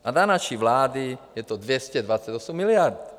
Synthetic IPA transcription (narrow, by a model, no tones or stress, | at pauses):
ad̪anaʃiʋlaːd̪ijɛt̪ɔd̪ʋjɛscɛd̪ʋat͡sːaɟɔsɛmːilɪaɾt̪